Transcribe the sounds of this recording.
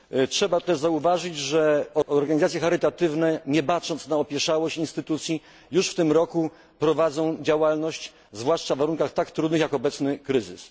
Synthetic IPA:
tʂɛbat̪ɛʐzauvaʐɘd͡ʑʐɛɔɔɾɡaɲizat̪sʲjɛxaɾɘt̪at̪ɘvnɛɲɛpatʂɔnt̪snaɔpʲjɛʂawɔɕt͡ɕinst̪ɘt̪ut̪sʲji | juʂft̪ɘmɾɔku | pɾɔvad̪zɔ̃w̃d͡ʑawalnɔɕt͡ɕ | zvwaʂt͡ʂavvaɾuŋkaxt̪akt̪ɾud̪nɘxjakɔbɛt̪snɘkɾɘzɘ̰s

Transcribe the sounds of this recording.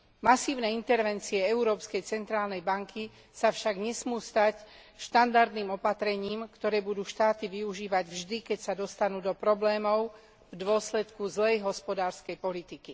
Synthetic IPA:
masiːʊnɛːint̪ɛɾʋɛnt͡siɛɛuɾɔːpskɛjt͡sɛnt̪ɾaːlnɛjbaŋkʰi | safʃaɡɲɛsmuːst̪acʃt̪and̪aɾd̪niːmɔpat̪ɾɛɲiːmkt̪ɔɾɛːbud̪uːʃt̪aːt̪iʋiuʒiːʋaɟvʒd̪ikɛcsad̪ɔst̪anuːd̪ɔpɾɔblɛːmɔʊ | vd̪ʊɔslɛt̪kuzlɛjɦɔspɔd̪aːɾskɛjpɔlit̪iki

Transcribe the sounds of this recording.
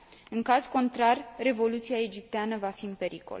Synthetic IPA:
ɨŋkazko̞nt̪ɾarre̞vo̞lut̪siae̞d͡ʒip̚t̪eanəvafiɨmpe̞ɾiko̰l

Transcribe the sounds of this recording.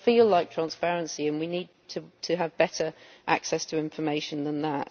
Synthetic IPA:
fiːlaɪk̚tʰɹ̥æ̃nspɛɹə̃nsiə̃nwiniːd̚tʰətʰəːvbɛtə˞ʔa̰ksɛstʰəɪ̃ɱfəmeɪʃə̃nðə̃nðəʔ

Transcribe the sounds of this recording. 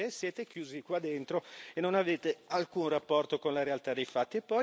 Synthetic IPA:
esjeːt̪ekjuːzikwad̪ːent̪ɾoenːonaveːt̪ealkunrapːɔrt̪okonlaɾealt̪ad̪ejfat̪ːiepːɔ

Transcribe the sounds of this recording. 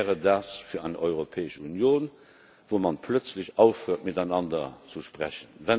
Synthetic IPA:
ɛːʁədaːsfiːɐæɪnʔɔʏʁopʰeːəʃəunjoːn | voːmɑnpʰlœt͡sləɕɑʊfʁuːɐt̚midaɪnɑndɐt͡suʃpʁæɕənvæn

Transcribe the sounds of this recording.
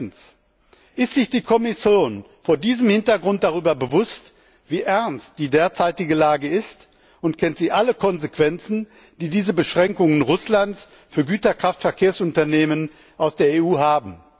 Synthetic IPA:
n̩s | ʔɪstz̥ɪçd̥iːkʰɔmɪsjoːn | foːɐdiːzəmhɪntɐɡʁʊnt̚d̥aʁyːbɐbəvʊst | v̥iːʔɛɐnst̚d̥iːdeːɐt͡saɪtɪɡəlaːɡəɪst | ʊntkʰɛntz̥iːʔaləkʰɔnzekv̥ɛnt͡sn̩ | d̥iːdiːzəbəʃʁ̥ɛŋkʊŋənʁʊslant͡s | fyːɐɡyːtɐkʁ̥aftfɛɐkʰeːɐsʊntɐneːmən | ʔaʊsd̥eːɐeːuːɦaːbm̩

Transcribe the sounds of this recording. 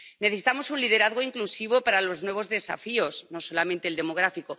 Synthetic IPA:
neθesi̥t̪amo̞sunlið̞e̞ɾaðɣoiŋklusiβ̞o̞paɾalo̞znwe̞β̞o̞zðe̞sa̰fio̞zno̞so̞lamẽnt̪eld̪e̞mo̞ɣ̞ɾafiko̞

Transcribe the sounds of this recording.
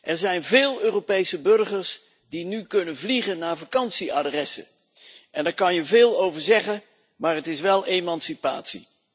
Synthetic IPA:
ʔɛɹzɛjnvɪːlˠøːropejsəbɵɹχəɹs | dinykɵnənvliχənːaːɹvakɑnsiadrɛsə̰ | ʔɛndaːɹkɑnjəvɪːlˠowvəɹzɛχən | maːɹɦətɪsʋɛlˠemɑnsipa̰ːtsḭ

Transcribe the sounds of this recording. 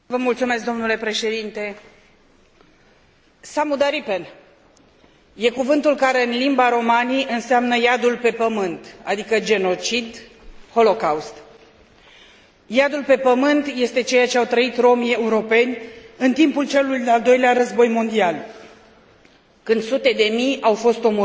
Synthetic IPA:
vəmult̪sume̞s̬kd̪o̞mnule̞pɾe̞ʃe̞d̪int̪e̞ | samud̪aɾipen | je̞kuvɨnt̪ulkaɾe̞ɨnlimbaɾo̞maniʔɨnseamnəjad̪ulpe̞pəmɨnt̪a̰d̪ikəd͡ʒe̞no̞t͡ʃid̪ | ho̞lo̞kawst̪ | jad̪ulpe̞pəmɨnt̪je̞st̪e̞t͡ʃe̞jat͡ʃeawt̪ɾəit̪ɾo̞mie̞uɾo̞pe̞nʲɨnt̪impult͡ʃe̞lujd̪eald̪o̞jleaɾəzbo̞jmo̞nd̪ial | kɨnd̪sut̪e̞d̪e̞mijawfo̞st̪o̞m

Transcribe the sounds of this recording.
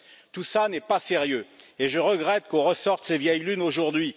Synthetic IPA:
t̪usanɛpaseʁjøeʒəʁəɡʁɛt̪̚kɔ̃ʁəsɔʁt̪sevjɛjlynoʒuʁd̪ɥi

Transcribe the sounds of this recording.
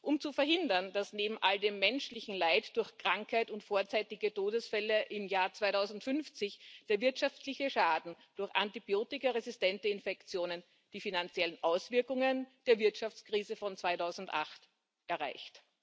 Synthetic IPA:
ʔʊmt͡sufɛɐhɦɪndɐnd̥asneːbm̩ʔaldeːmːɛnʃlɪçn̩laɪtd̥ʊɐçkʁ̥aŋkhaɪtʊntfoːɐt͡saɪtɪɡətoːdəsfɛləʔɪmjaːɐt͡sv̥aɪtaʊzn̩tfʏnft͡sɪçd̥eːɐvɪɐtʃaftlɪçəʃaːdn̩d̥ʊɐçʔantibioːtɪkɐʁezɪstɛntəɪnfɛkt͡sjoːnən | d̥iːfinant͡sjɛlənʔaʊsv̥ɪɐkʊŋənd̥eːɐvɪɐtʃaft͡skʁ̥iːzəfɔnt͡sv̥aɪtaʊzn̩tʔa̰χt | ʔɛɐʁa̰ɪçt

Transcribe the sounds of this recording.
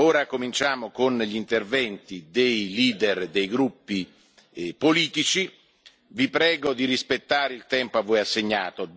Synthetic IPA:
oːɾakomint͡ʃaːmokonʎint̪ervɛnt̪id̪ejliːd̪erd̪ejɡɾupːi | poliːt̪it͡ʃi | vipɾɛːɡod̪iɾispet̪ːaːɾeilt̪ɛmpoavːojasːeɲːaːt̪o

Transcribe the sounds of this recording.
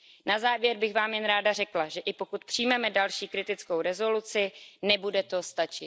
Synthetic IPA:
nazaːvjɛɾbɪxvaːmjɛnɾaːdar̝ɛklaʒɛʔɪpo̞kut̪pr̝̥ijmɛmɛdalʃiːkɾɪt̪ɪt͡sko̞wɾɛzo̞lut͡sɪnɛbudɛt̪ost̪at͡ʃɪt̪

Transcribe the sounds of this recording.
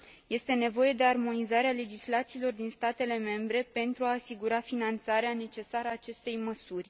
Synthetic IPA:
je̞st̪e̞ne̞vo̞je̞d̪e̞armo̞nizaɾeale̞d͡ʒislat̪siːlo̞rd̪inst̪at̪e̞le̞me̞mbɾe̞pe̞nt̪ɾuaːsiɡuɾafinant̪saɾeane̞t͡ʃe̞saɾaːt͡ʃe̞st̪e̞jməsurʲ

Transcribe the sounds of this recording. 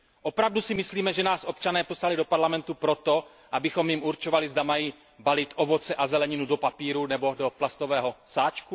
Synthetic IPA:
ʔo̞pɾavdusɪmɪsliːmɛʒɛnaːsʔo̞p̚t͡ʃanɛːposalɪdopaɾlamɛnt̪upɾo̞t̪o̞ | ʔabɪxo̞mjɪmʔuɾt͡ʃo̞valɪzdamajiː | balɪt̪ʔo̞vo̞t͡sɛʔazɛlɛɲɪnudopapiːɾunɛbo̞doplast̪o̞vɛːɦo̞saːt͡ʃku

